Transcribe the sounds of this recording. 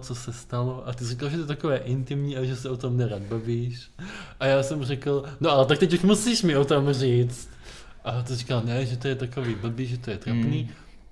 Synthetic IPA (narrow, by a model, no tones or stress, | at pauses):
t͡sosɛst̪aloʔat̪ɪzrikalʒɛt̪oɛt̪akovɛːʔɪnt̪ɪmɲiːaʒɛsɛot̪o̞mnɛɾaːd̪̚baviːʃ | ʔajaːsɛmrɛkl̩noʔalɛt̪akt̪ɛcuʃmusiʃmɪot̪omriːt͡st̪ | ʔat̪ɪrikalnɛʒɛt̪ojɛt̪ako̞viːbl̩biːʒɛt̪ojɛt̪ɾopniː